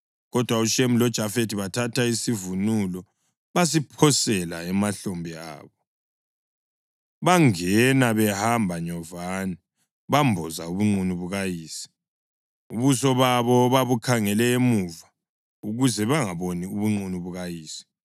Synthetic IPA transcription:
ɣɔd̥ʱwauʃemilɔd̥ʒ̥ʱafetʰiβatʰatʰaisivunulɔ | βas̬ipʰɔsɛla̰ɛmaɬombʱia̰ːβɔ | βaŋɛnaβɛhambʱaɲɔvaːni | βambʱɔza̰uβuŋ͡ǀunuβuɣajiːsi̥ | uβusɔβaβɔβaβukʰaŋɛlɛemuva | uɣuzɛβaŋaβoniuβuŋ͡ǀunuβuɣajiːsi̥

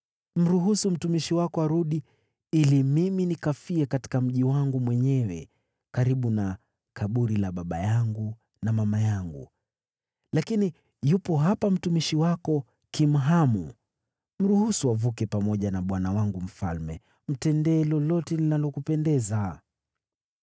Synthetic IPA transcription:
m̩ɾuɦusum̩tumiʃiwakɔaɾuɗi | ilimiminikafiɛkati̥kam̩ʄiwaŋɡumwɛɲɛwɛ̰ | kaɾiɓuna | kaɓuɾilaɓaɓa̰jaŋɡu | namamajaŋɡṵ | lakini | jupɔɦapam̩tumiʃiwakɔ | kim̩ɦamṵ | m̩ɾuhusuavukɛpamɔʄanaɓwanawaŋɡum̩falmɛ̰ | m̩tɛndɛːlɔlɔtɛninalɔkupɛndɛza

